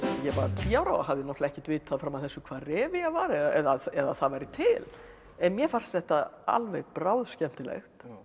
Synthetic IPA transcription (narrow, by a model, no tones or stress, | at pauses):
jɛvaɾt̪ʰiːawɾa̰waɦavðɪnɔtlaɛhcɪt̪vɪːt̪ʰaðfɾamaðθɛsːʏkʰv̥aːrɛːvɪavaɾɛðaɛðaɛðaθaðvajɾɪt̪ʰɪl | ɛnmjɛfar̥ssɛht̪aa̰lvɛjɣpɾawðscɛm̥t̪ɪlɛ̰xt̪